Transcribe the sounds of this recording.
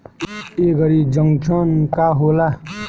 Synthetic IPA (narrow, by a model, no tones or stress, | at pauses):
eɡʌɾid͡zʌŋt͡sʰʌnkaɦola